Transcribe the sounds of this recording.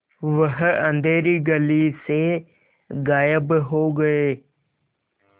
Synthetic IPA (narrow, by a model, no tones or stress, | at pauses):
ʋəɦə̃nd̪ʱeːɾiɡəlise | ɡaːjəbɦoːɡɐeː